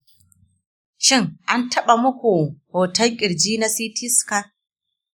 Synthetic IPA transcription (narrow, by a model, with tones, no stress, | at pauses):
ʃɪ˦ŋʔa˦ntʰɐ˦ɓa˨mʊ˦kʷu˨hoː˨tɐ˦lkʲʼɪ˨ɽd͡ʒiː˦na˦siː˦tɪ˦ska˨